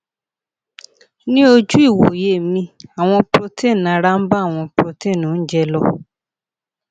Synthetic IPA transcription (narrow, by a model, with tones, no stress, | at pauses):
nĩ˦o˧d͡ʒu˦i˦˨wo˨je˦˨mĩ˧a˨w̃ɔ̃˧pɾo˧te˦˨n˨ã˨˧ɾa˦m̩˦ba˦˨w̃ɔ̃˧pɾo˧te˦˨nũ˨˦d͡ʒɛ˦˧lɔ˧